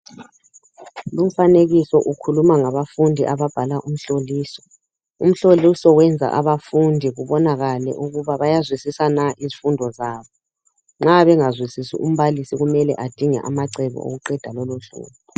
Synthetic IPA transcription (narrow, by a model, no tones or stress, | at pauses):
lum̩faneɣisɔʔukʰulumaŋaβafundʱiʔaβab̥ʱalaʔum̩ɬoliːsɔ̥ | um̩ɬolisɔwɛnd͡zʱa̰ʔaβafundʱiɣuβɔnaɣalɛ̰ʔuɣuβaβajazwisisanaʔizifundʱɔzaːβɔ | ŋ͡ǁaβɛŋazwisisḭʔum̩βalisiɣumɛlɛ̰ʔad̥ʱiŋɛ̰ʔamaǀɛβɔ̰o̰ɣuǃɛd̥ʱalɔloɬṵːβu